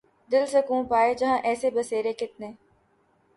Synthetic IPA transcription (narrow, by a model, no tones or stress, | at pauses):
d̪ɪlsekũːpaːed͡ʒɐɦãʔɛːsebɐseːɾekɪt̪̚nẽː